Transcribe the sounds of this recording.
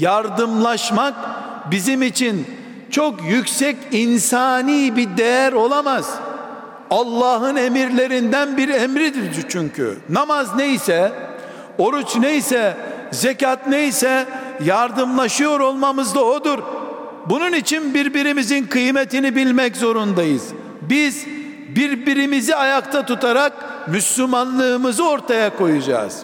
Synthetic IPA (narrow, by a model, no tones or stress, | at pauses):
jaɾd̪ɯmlˠaʃmak | bizimit͡ʃʰin | t͡ʃʰo̞kjycsɛcinsaːniːbid̪ejæɾo̞lˠamaz̥ | alˠːaːɦɯne̞miɾlʲe̞ɾind̪ænbiɾemɾid̪iɾd̪it͡ʃʰyɲcʰy̰namazne̞jisɛ | o̞ɾut͡ʃne̞jisɛzecat̪ne̞jsɛjaɾd̪ɯmlˠaʃɯjo̞ɾo̞lˠmamɯzd̪aod̪uɾ | bununit͡ʃʰinbiɾbiɾimizinkʰɯjme̞t̪inibilʲmɛczo̞ɾund̪ajɯz̥ | biz | biɾbiɾimiziajakt̪ʰat̪ut̪ʰaɾak̚myslʲymanlˠɯːmɯzɯo̞ɾt̪ʰajako̞jud͡ʒa̰ːz̥